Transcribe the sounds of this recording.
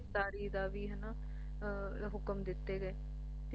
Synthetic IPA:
d̪aːɾiːd̪aːʋiːɦɛnaː | ɦʊkəmd̪ɪt̪ːeːɡəeː | t̪e

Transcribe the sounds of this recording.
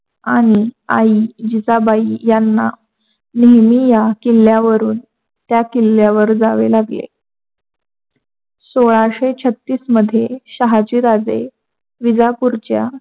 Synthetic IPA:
aɽ̃iaid͡ʑit͡sabʱaijanːa̰ | neɦmijakilːjaʋəɾuːn | t̪jakilːjaʋəɾd͡zaʋelaɡlḛ | soɭaɕet͡ɕʰət̪ːiːsməd̪ʱːjeɕaɦat͡ɕiːɾad͡ze | ʋid͡zapuɾt͡ɕja

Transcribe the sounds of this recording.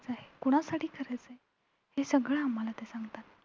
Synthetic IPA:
t͡saɦekuɽ̃asaʈiːkʰəɾajt͡se | hesəɡɭəamːəlat̪esãŋɡt̪at̪

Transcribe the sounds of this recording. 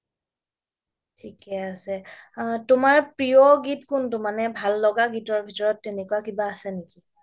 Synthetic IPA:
tʰikɛasɛtʊmaɹpɹijɔɡitkʊntʊmanɛbʱalːɔɡaɡitɔɹbʱitɔɹɔtːenɛkuakibaːsɛneki

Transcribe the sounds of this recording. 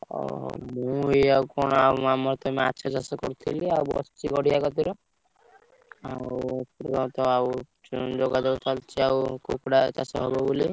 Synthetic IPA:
ɔ̰mũiakɔɽ̃ɔawmamɔɾt̪ɔmea̰t͡ʃʰad͡ʒasɔkɔɾut̪ʰiliawbɔ̰sɔ̥siɡɔɽijakɔt̪iɾɔ | a̰upuɾɾɔt̪ɔaw | d͡ʒoɡad̪ebɔt̪ʰalt͡ʃʰiawkukɽat͡ʃasɔɦɔbɔbuli

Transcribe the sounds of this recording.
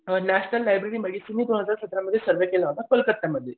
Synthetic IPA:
næɕnəlːajbɾeɾiːməɡisiniːd̪onɦəd͡zaɾsət̪ɾaməd̪ʱːjesəɾʋekelaɦot̪afəlkət̪ːjaməd̪ʱːje

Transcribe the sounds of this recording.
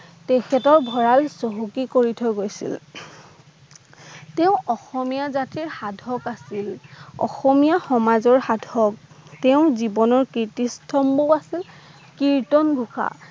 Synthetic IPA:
tɛkʰɛtɔɹbʱɔɹalsoɦukikoɹitʰɔjɡojsḭl | teʊ̃ʔɔxɔmijazatiɹxadʱɔkasilɔ̰xɔmijaxɔmazɔɹxadʱɔk̚ | tɛʊ̃zibɔnɔɹkitistʰɔmbuasil | kiɹtɔnbʱuxa̰

